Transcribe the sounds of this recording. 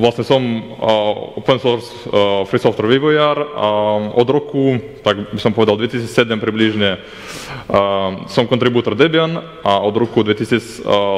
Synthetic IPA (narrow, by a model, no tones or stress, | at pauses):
vlˠast̪nʲɛsom | o̰pɛnsoɾs | fɾisoft̪ɾʋiʋojaɾ | od̪ɾoku | t̪akbixsompoɛd̪alˠd̪vet̪isit͡s̪ʲsɛd̪ɛmpɾibliʒɲɛ | somkont̪ɾibuːt̪oɾd̪ɛbjan | aod̪ɾokud̪vet̪isis